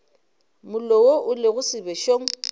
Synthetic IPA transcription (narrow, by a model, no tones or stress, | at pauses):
mʊlɔwoʔʊlɪɣʊsɪbɛʃoːŋ̩